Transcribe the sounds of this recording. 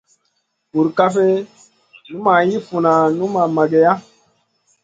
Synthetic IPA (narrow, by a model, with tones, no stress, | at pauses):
bu˨ɾka˦fe˦ | nũ˦ma˨ji˦fu˨na˨nũ˦ma˨ma˨ɡe˨ja˦